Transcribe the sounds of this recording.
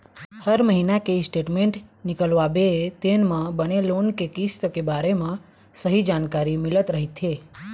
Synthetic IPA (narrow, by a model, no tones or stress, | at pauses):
həɾməɦinakesʈeʈmẽɳʈnikəlʋabeet̪enmãbənelonkekist̪əkebaɾemã | səɦid͡ʒankaɾimilət̪ɾəɦit̪ʰe